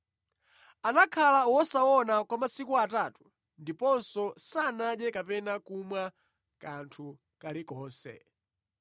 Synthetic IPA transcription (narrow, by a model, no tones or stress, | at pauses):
anakʰalawɔsaɔnakwamasikuatatu̥ | ndipɔnsɔsanaɗɛkapɛnakumwa | kantʰu | kalikɔːsɛ̰